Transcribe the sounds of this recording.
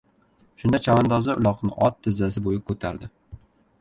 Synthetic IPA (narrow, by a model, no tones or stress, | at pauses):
ʃʊnd̪at͡ʃʰavand̪ɒzaʊ̰lˠɒqnɪ̰ʔɒt̪ʰːɪzːas̬ɪbojɪkʰɵt̪ʰa̰ɾd̪ɪ